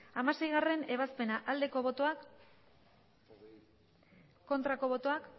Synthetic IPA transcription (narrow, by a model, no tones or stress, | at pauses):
amase̞jɣ̞are̞ne̞β̞aspe̞naʔald̪e̞ko̞βo̞t̪o̞ak | o̞nt̪ɾako̞βo̞t̪o̞ak